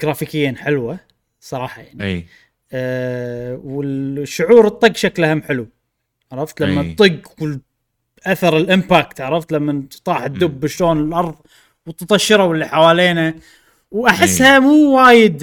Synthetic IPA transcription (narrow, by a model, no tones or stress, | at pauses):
ɡ̥ɾaːfikɪjːaːnħɪlwa | sˤɑɾˤɑːħɑjaʕnḭ | wɪlʃːʊʕuːɾɨt̪ˤːɨɡʃaklʔahamːħɪlu | ʕaɾˤɑft̪lamːat̪ˤːɨɡwɪl | ʔaθɑɾˤɪlʔɪmpaːk̚t̪aʕɾˤɑft̪lamːant̪ˤɑːħd̪ːʊbːɪʃloːnɪlʔɑɾˤðˤ | wt̪t̪ˤɑʃːɪɾˤawɪlːiħawaːleːna | wʔaħɪsːhamuːwaːjɪd̪